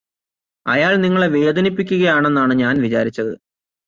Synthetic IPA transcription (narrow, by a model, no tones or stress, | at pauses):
ɐ̰jaːɭniŋːɐɭeʋeːd̪ʱɐnipːikʲːuɣɐjaːɳe̞nːaːɳɨɲaːnʋit͡ɕa̰ːɾit͡ɕːɐðɨ